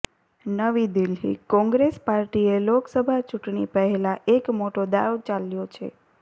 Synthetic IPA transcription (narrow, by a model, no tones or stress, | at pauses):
nəʋid̪ɪlɦḭkɔ̃ŋɡɾespaɾʈieloksəbʱat͡ʃuʈɳipəɦelãʔekmoʈod̪a̰ʋt͡ʃaljot͡ʃʰḛ